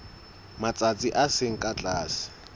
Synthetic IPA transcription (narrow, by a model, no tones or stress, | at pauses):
mat͡sʼat͡sʼiʔasɪŋ̩kʼat͡ɬʼaːsɪ̥